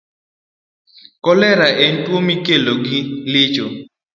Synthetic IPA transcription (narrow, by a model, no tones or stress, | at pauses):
kɔlɛɾaʔɛntwomikeloɡilɪt͡ʃo